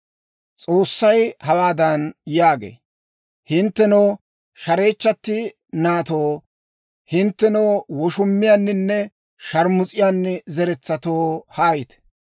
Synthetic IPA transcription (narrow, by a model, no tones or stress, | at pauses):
t͡sʼo̞ːsːɐjhɐwaːd̪ɐnjaːɡḛː | hɪnt̪ːɛnoː | ʃɐɾe̞ːt͡ʃːɐt̪ːɪ | naːt̪oː | hɪnt̪ːɛnoːwɔʃʊmːɪjanːɪnːɛ | ʃɐɾmʊt͡sʼɪjaːnːɛzɛɾɛt͡sːɐt̪oːhaːjɪt̪